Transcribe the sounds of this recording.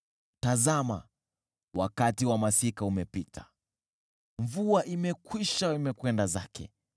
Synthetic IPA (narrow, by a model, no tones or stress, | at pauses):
tazama̰ | wakatiwamasikaumɛpitʰḁ | ɱvuaʔimɛkwiʃaimɛkwɛndazakʰɛ̰